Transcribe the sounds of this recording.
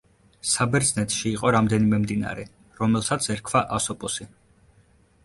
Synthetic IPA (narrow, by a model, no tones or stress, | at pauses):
sabɛɾd̪znɛt̪ʰʃiːqʼɔɾamd̪ɛnimɛmd̪ina̰ɾɛ | ɾɔmɛlˠsat̪sʰɛɾkʰvaʔasɔpʼɔsi